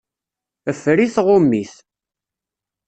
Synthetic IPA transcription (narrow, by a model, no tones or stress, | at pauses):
əfɾiθʁʊmːiθ